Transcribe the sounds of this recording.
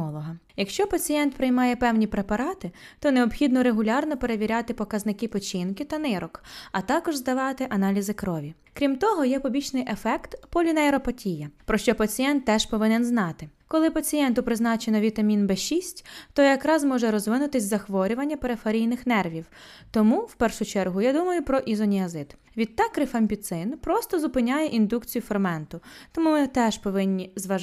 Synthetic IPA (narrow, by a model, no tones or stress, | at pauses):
ɔlˠɔɦɐjɐkʃt͡ʃɔpɐt͡sʲijɛnt̪pɾɪjmɑjɛpɛwnʲipɾepɐɾɑt̪ɪt̪ɔneɔbxʲid̪nɔɾeɦʊlʲɑrnɔpe̞ɾeʋʲiɾʲɑt̪ɪpɔkɐznɪkɪpɔt͡ʃɪnkɪt̪ɐnɪɾɔkɐt̪ɑkɔʒzd̪ɐʋɑt̪ɪʔɐnɑlʲizɪkɾɔʋʲi | kɾʲimt̪ɔɦɔjɛpɔbʲit͡ʃnɪjʔefɛkt̪pɔlʲinɐeɾɔpɐtʲijɐpɾɔʃt͡ʃɔpɐt͡sʲijɛnt̪ːɛʃpɔʋɪnɛnznɑt̪ɪkɔlˠɪpɐt͡sʲijɛnt̪ʊpɾɪznɑt͡ʃenɔʋʲit̪ɐmʲinbɛʃisʲtʲt̪ɔjɐkɾɑzmɔʒɛɾɔzʋɪnʊt̪ɪsʲzɐxʋɔɾʲʊʋɐnʲːɐpeɾefɐɾʲijnɪxnɛrʋʲiwt̪ɔmuwpɛrʃʊt͡ʃɛrɦʊjad̪umɐjʊpɾɔʔizɔnʲiɐzɪd̪ | ʋʲid̪̚t̪ːɑkːɾɪfɐmʲpʲit̪sɪnpɾɔst̪ɔzʊpɪnʲajɛʔind̪ukt͡sʲijʊfɔrmɛnt̪ʊt̪ɔmumɪt̪ɛʃpɔʋɪnʲːizʋɐ